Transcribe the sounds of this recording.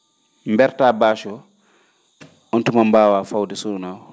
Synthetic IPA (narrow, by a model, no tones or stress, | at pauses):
mbɛɾtaːbaːʃɔ | ɔntumambaːwaːfawdɛsuɾunaːwɔ